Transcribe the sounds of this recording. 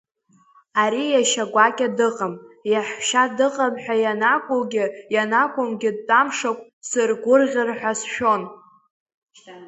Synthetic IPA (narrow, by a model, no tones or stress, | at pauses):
aɾijaʃaɡʷakʲʼadɨqʼəmjaħʃadɨqʼəmħʷᶣajanakʷʼʊlɡʲɪjanakʷʼʊmɡʲɪd̚tʼamʂakʷʼsɨrɡʷʊrʁʲɪrħᶣasʃᶣo̞n